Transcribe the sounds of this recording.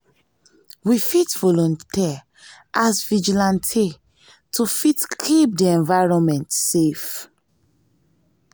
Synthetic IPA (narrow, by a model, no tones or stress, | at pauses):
wifitvɔlɔ̃nti | asvid͡ʒilãntʰi | tufitkʰip̚diɛ̃nvaɹɔ̃nmɛ̃ntsef